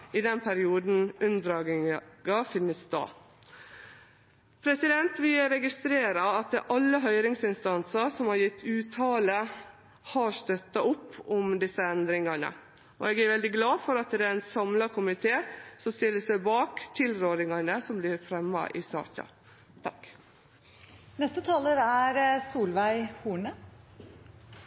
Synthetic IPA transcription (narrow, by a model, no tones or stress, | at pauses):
ɪd̪ɛnpʰæɾɪuːd̪n̩ʉnd̪ɾɑːɡɡɑfɪnːəsd̪ɑ̰ː | pʰɾɛsɪd̪ɛnt̪ʋɪɾɛɡɪst̪ɾeːɾɑɑt̪̚ʔɑlːəɦœʏɾɪŋsɪnst̪ɑnsɑsɔmhɑɾjɪt̪ːʉːt̪ʰɑːlə | hɑɾst̪œt̪ːɑʊpːɔmd̪ɪsːəɛnd̪ɾɪŋɑnə̰ | ɔ̰ɛɡæɾʋɛld̪ɪɡlɑːfɔɾɑt̪̚ɛd̪ɛæɪnsɑmlɑkʰʊmɪt̪ʰeːsɔmst̪ɪlːəsæɪbɑːkt̪ʰɪlɾoːɾɪŋɑnəsɔmblɪɾfɾɛmːɑ̰ʔɪ̰sɑ̰ːçɑ̰ | t̪ʰɑk | nɛst̪ət̪ʰɑːləɾæɾsuːlʋæɪhuːɳə